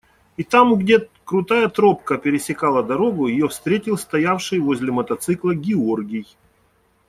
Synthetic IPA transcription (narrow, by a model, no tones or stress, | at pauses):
it̪amɡdʲet̪ | kɾʊt̪ajət̪ɾo̞pkəpʲɪɾʲɪsʲɪkalˠəd̪ɐɾo̞ɡʊjɪjo̞fst̪ɾʲetʲɪlˠst̪ɐjafʂɨjvozʲlʲɪmɐt̪ɐt̪sɨklˠəɡʲɪorɡʲɪj